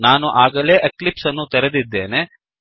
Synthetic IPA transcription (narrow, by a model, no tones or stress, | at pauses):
naːnuʔaːɡɐle̞ːʔeklipsɐnːut̪ɛɾed̪id̪ːe̞ːne̞